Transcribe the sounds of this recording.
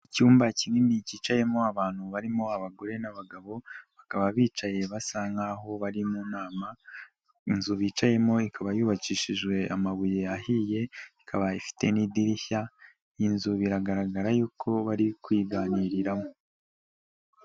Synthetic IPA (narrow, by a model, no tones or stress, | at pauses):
icuːmbacininiciːt͡ʃaje̞moaβaːn̥huβaɾimo̞aβaɡo̞ɾe̞naβaɡaβo̞βakaβaβiːt͡ʃaje̞βasaŋɡaɦo̞βaɾimuːnaːma | inzuβiːt͡ʃaje̞mo̞ikaβajuːβaciːʃiʒɡwe̞amaβujeahije̞ikʰaβaifi̥te̞nidiɾiça | jinzuβiɾaɡaɾaɡaɾajuːkʰo̞βaɾikwiːɡaːniːɾiɾamo